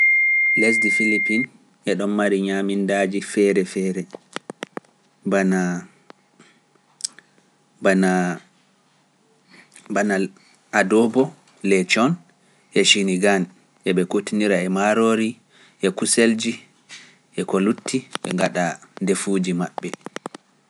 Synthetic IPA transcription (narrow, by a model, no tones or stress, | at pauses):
lesdifilipin | ʔɛɗɔmmaɾiɲamindad͡ʒifɛɾɛfɛɾɛ | bana | bana | bana | adɔbɔ | lɛt͡ʃɔn | ʔɛʃiniɡan | ʔɛɓɛkotiniɾaɛmaɾoɾi | ʔɛkuseld͡ʒi | ʔɛkɔlutːiɓɛ̰ŋɡaɗandefud͡ʒimaɓːɛ